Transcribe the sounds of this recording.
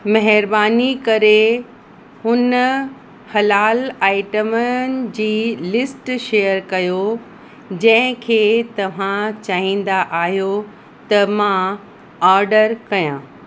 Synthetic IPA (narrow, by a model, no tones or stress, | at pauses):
mɐɦɪɾbaːnikɐɾe | hʊn | hɐlaːlaːɪʈəmənɪ̆d͡ʑiːlɪsʈʃeːjəɾkɐjo | d͡ʑɐ̃ɦɪ̃kʰeːt̪ɐʋ̤ãt͡ɕaːɦĩːn̆d̪aʔaːɦijo | t̪ɐmã | aːɾɖəɾkɐjãː